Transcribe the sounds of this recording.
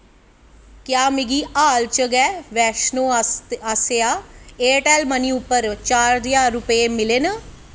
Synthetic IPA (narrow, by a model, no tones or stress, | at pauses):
kjaːmɪɡiːaːlt͡ʃəɡɛːʋɛːʃnoːaseaːeːʈɛːlməniʊpːəɾt͡ʃaːɾd̪ɪjaːɾʊpəemɪleːnə